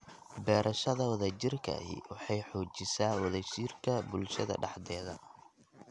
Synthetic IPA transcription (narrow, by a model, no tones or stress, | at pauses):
bɛːɾʔɐʃɐðɐwɐðaːt͡ʃɪrkʰɐ̰hḭwɑħɑjħɔːt͡ʃɪsaːwɐðaːt͡ʃɪrkʰɐbʊlʃɐðɐ̰ɖɑħd̪ɛːðɐ